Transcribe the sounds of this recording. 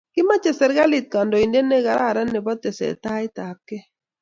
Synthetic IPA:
kɪ˦ma˦t͡ʃɛ˨sɛ˨ɾɡa˦li˨t̪̚ka˨ndɔ˨i˨nde˦nɛ˦ɣa˨ɾa˦˨ɾa˦nɛ˨bɔ˦t̪ɛ˨sɛ̰˨t̪a˦ɪ˦t̪a˨p̚kɛ˦

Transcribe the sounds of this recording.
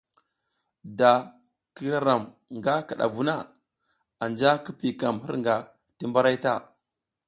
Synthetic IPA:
da˨ | ki˦ɾa˦ɾa˨m | ŋɡa˦ka˨ɗa̰˨vu˦na˦˨ | a˨nd͡ʒa˦ki˦pi˨ka˨mhi˦ɾŋɡa˨ | ti˦mba˦ɾa˦jta˦˨

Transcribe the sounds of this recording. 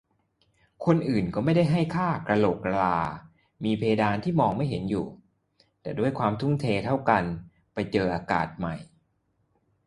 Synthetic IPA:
kʰo˧nʔɯː˨˩nkɔː˥˩ma˥˩jda˥˩jɦa˥˩jkʰaː˥˩kɾa˧lo˨˩k̚ɾa˧laː˧ | miː˧pʰeː˧daː˧nt̪ʰiː˥˩mɔː˧ŋma˥˩jɦe˩˦njṵː˨˩ | t̪ɛː˨˩du˥˩əjkʰwaː˧mt̪ʰu˥˩ŋt̪ʰeː˧t̪ʰa˥˩wka˧n | pa˧jt͡ɕɤː˧ʔaː˧ka̰ː˨˩t̪̚ma˨˩j

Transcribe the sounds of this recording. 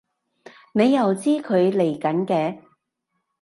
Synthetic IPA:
ne˨˧jːɐ˨wt͡siː˥kʰɵ˨˧ɥle˨˩jkɐ˨˥nkɛː˧

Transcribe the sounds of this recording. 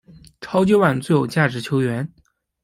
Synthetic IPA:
ʈ͡ʂʰɑ˥ʊt͡ɕjo˥˧˥wa˥˩nt͡sɹjo˨˩ʊt͡ɕja˥˩ʈ͡ʂɻ̩˧˥t͡ɕʰjo˧˥ʊɥɛ˧˥n

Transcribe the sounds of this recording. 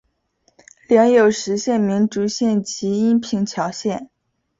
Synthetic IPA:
ljɑ˧˥ŋjo˨˩ʊʂɻ̩˧˥ɕjɛ˥˩nmi˧˥ŋʈ͡ʂu˧˥ɕjɛ˥˩nt͡ɕʰi˧˥i˥npʰi˧˥ŋt͡ɕʰjɑ˧˥ʊɕjɛ˥˩n

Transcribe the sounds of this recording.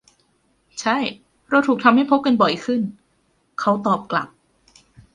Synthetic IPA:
t͡ɕʰa˥˩j | ɾa˧wt̪ʰu˨˩t̪ʰa˧mha˥˩jpʰo˦˥p̚ka˧nbɔ˨˩jkʰɯ˥˩n | kʰa˦˥wt̪ɔː˨˩p̚kla̰˨˩p̚

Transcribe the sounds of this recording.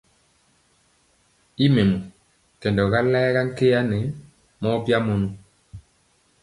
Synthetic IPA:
i˦me˨mu˨ | kɛ˨ndɔ˨ɣa˦lɛː˦ɣa˦ŋ̩˦ke˦ja˦ne˨˦ | mɔ˦pja˦mo˨nu˦

